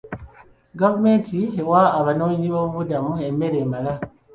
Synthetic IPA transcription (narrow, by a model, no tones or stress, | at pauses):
ɡavume̞ːntʰiewaːβano̞ːɲiβoβuβudamue̞mːe̞ɾe̞ːmala